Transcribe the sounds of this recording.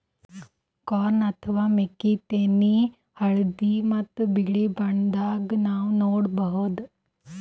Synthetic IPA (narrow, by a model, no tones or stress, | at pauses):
kɔːnɐt̪ʰəʋaːmekit̪eni | hɐɭd̪imɐt̪ːbiɭibɐɳd̪aːɡnaːʋnoːɽbəɦod̪